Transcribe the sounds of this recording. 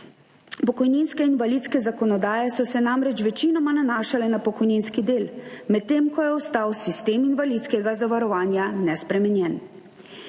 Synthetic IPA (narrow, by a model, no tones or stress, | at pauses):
pɔkɔjninskɛinʋaliːt̪skɛzakɔnɔd̪aːjɛsɔsɛnamɾɛt͡ʃʋɛt͡ʃinɔmananaːʃalɛnapɔkɔjninskid̪eːlmɛt̪ːeːmkɔjɛɔst̪aːwsist̪eːminʋalit̪skɛɡazaʋaɾɔʋaːnjanɛspɾɛmɛnjɛn